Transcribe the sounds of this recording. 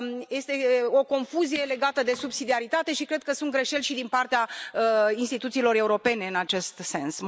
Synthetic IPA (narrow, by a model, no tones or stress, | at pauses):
je̞st̪e̞o̞ko̞nfuzije̞le̞ɡat̪əd̪e̞subsid̪iaɾit̪at̪e̞ʃikɾe̞d̪̚kəsunt̪ɡɾe̞ʃe̞lʲʃid̪inpart̪eaəinst̪it̪ut̪siːlo̞ɾeuɾo̞pe̞ne̞ɨnat͡ʃe̞st̪se̞ns